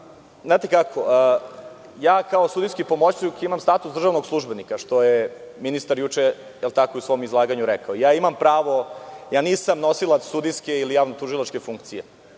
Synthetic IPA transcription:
znaːt̪ekakʰo | jaːkaosud̪ijskipo̞mot͡ɕukimamst̪aːt̪usd̪r̩ʒaʋnoɡslˠuʒbe̞nikaʃt̪o̞jeminist̪aɾjut͡ʃe | jelˠt̪akoiusʋomizlˠaːɡaɲuɾɛkaoijaːimampɾaːʋo̞jaːniːsamnosilat̪sːud̪ijskeilijaːʋnot̪uʒilˠat͡ʃke̞fuŋkt̪sije

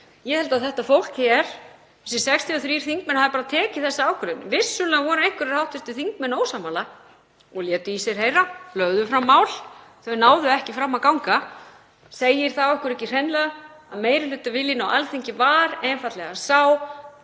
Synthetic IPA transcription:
jɛhɛlt̪aðθɛht̪afowl̥khɛɾ̥ | ɛs̬ɛ̥sɛkst̪ʰiɔθɾiːɾ̥θiŋk̚mɛnhaðɪpaːɾaðt̪ʰɛːcɪθɛsːaaːwkʰʏɾɪnːɪvɪsːʏlɛavɔːɾʏejŋ̥kʏɾɪɾ̥hawht̪vɛst̪ʏθiŋkmɛnoːwsamːala | ɔɣljɛːt̪ʏisɛɾ̥heːjralœɣðʏfɾamːaːwl̥θœɥnaːwðʏɛhcɪfɾamːakawŋka | seːjɪɾ̥θawɛhkʏɾɛcɪr̥ejnlɛɣa | aðmeːjɾɪlʏːt̪vɪljɪnawʔa̰lθeɲcɪvaːɾɛnfat̪lɛɣasaw

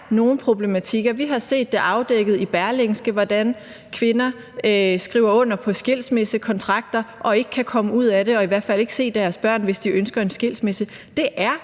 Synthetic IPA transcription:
no̝ːn̩pʰʁo̝b̥le̝mæt͡sʰiɡ̥ɐʋiɦɑ̈se̝̰ːd̥ːe̝ʔɑ̈ʊd̥eɡ̥ð̞̩ˠib̥æɐleŋsɡ̥əʋɒd̥æn | kʰʋe̝nɐ | sɡ̥ʁḭːʊɐɔ̽n̰ɐpʰɒ̽sɡ̥e̝l̰smesəkʰɒ̽nt͡sʰʁɑ̈ɡ̥̚d̥ɐʔɒ̽e̝ɡ̥ə̥kʰːækʰɒ̽məuð̰ˠæɾe̝ɒ̽iʋæɐ̰d̥fæl̰e̝ɡ̥se̝̰ːd̥eæɐsb̥ɶ̰ɐ̰nʋe̝sd̥iʔønsɡ̥ɐe̝nsɡ̥e̝l̰smesə | d̥e̝ʔæɐ

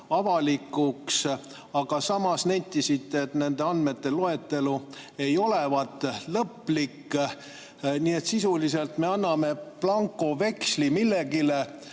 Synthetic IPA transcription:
ɑvɑlikːˑuks | ɑɡ̥ɑsɑmɑsnæjt̪ˑːisit̪ːˑet̪ne̞nd̪e̞ɑnd̪me̞t̪ːe̞lo̞e̞t̪ːe̞lu | e̞jo̞le̞vɑt̪ːˑlɤpːˑlikː | niːe̞t̪sisulise̞lt̪me̞ɑnːɑme̞plɑŋkˑo̞ve̞kslimilːe̞ɡile̞

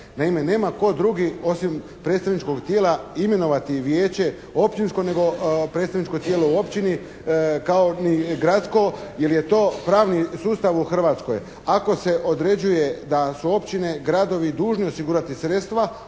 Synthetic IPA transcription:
naime̞ne̞ːmako̞d̪ɾuɡio̞sim | pɾe̞ːt̪st̪aʋnit͡ʃko̞ɡt̪je̞ːlaime̞no̞ʋat̪iʋje̞ːt͡ɕe̞ | o̞pt͡ʃinsko̞ne̞ɡo̞pɾe̞t̪t̪aʋnit͡ʃko̞t̪jeːlouo̞pt͡ɕini | kaoniɡɾat̪sko̞je̞lje̞t̪o̞ːpɾaːʋnisuːst̪aʋuxr̩ʋat̪sko̞j | ako̞se̞ʔo̞d̪ɾe̞d͡ʑuje̞d̪asuo̞pt͡ɕine̞ɡɾad̪o̞ʋid̪uːʒnio̞siɡuːɾat̪isɾet̪st̪ʋa

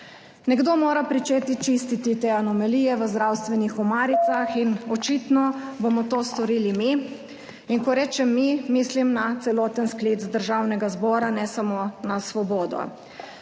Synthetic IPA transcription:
nɛɡd̪omoːɾapɾit͡ʃeːt̪it͡ʃist̪it̪it̪eanɔmɛliːjɛʋəzd̪ɾawst̪ʋɛnixɔmaːɾit̪saxinɔt͡ʃit̪nɔbomɔt̪oːst̪ɔɾiːlimi | iŋkɔɾɛːt͡ʃɛmːimiːslimnat̪sɛlɔːt̪ənskleːt̪zd̪əɾʒawnɛɡazbɔːɾanɛsamoːnasʋɔbɔːd̪ɔ̰

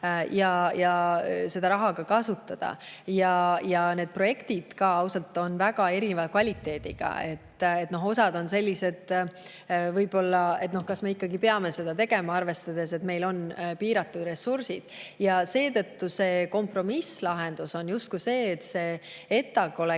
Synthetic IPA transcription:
jɑjɑse̞d̪ɑɾɑɦɑɡ̥ɑkɑsut̪ːˑɑd̪̥ɑ̰jɑjɑne̞ːd̪̥̚pro̞je̞kt̪id̪̥kɑɑwsɑlt̪ːˑo̞nvæɡ̥ɑe̞ɾine̞vɑkvɑlʲit̪ːˑe̞ːd̪̥ḭɡ̥ɑ̰e̞̰t̪ːˑet̪no̞ɦo̞sɑd̪o̞nse̞lʲːise̞d̪̥ | vɤjb̥o̞lːɑe̞t̪no̞hkɑsme̞ikːɑɡipe̞ɑme̞se̞d̪̥ɑt̪e̞ɡe̞mɑɑrve̞st̪ɑd̪e̞se̞t̪me̞jlo̞npiːɾɑt̪ːˑud̪re̞sːursid̪̥jɑse̞ːt̪ɤ̞t̪ːuse̞ːko̞mpro̞mislɑɦe̞nd̪̥uso̞njust̪̚kujse̞ːt̪ːse̞ː | et̪ːˑɑɡo̞le

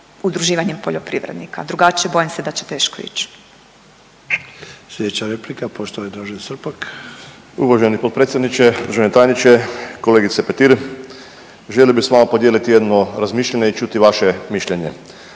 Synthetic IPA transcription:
ud̪ɾuʒiːʋaɲempoʎopɾiʋɾed̪nikʰa̰d̪ɾuɡat͡ʃijebo̞jimsed̪at͡ɕe̥t̪e̞ːʃkoḭːt͡ɕ | slʲjed̪et͡ɕaɾeplikapoʃt̪oid̪ɾaʒensr̩pak | uʋaʒenipo̞t̪̚pɾet̪sʲjed̪nit͡ʃeud̪ɾuʒenet̪aːjnit͡ʃeko̞leːɡit̪sepet̪iɾ | ʒeliobisʋamapo̞d̪jeːlit̪ijed̪noɾazmiːʃlʎeɲeit͡ʃut̪iʋaʃemiʃʎeɲe

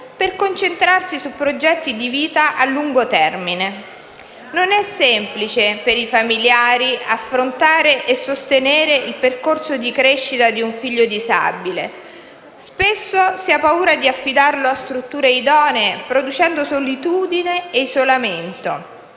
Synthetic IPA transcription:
perkont͡ʃent̪ɾarsisupːɾod͡ʒɛt̪ːid̪iviːt̪aʔalːuŋɡot̪ɛrmine | nonɛsːɛmplit͡ʃepeɾifamiljaːɾiafːɾont̪aːɾeʔesːost̪eneːɾeilperkorsod̪ikɾeʃːit̪ad̪iuɱfiʎːod̪iza̰bile | spesːosiapːauːɾad̪iafːid̪arloast̪ɾut̪ːuːɾeid̪ɔːneːpɾod̪ut͡ʃɛnd̪osolit̪uːd̪ineːizolament̪o

